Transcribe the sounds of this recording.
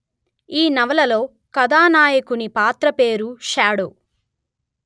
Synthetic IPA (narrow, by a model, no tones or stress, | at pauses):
iːnɐʋɐlɐlo̞ː | kɐd̪aːnaːjɐkunipaːt̪ɾɐpeːɾuʃaːɽoː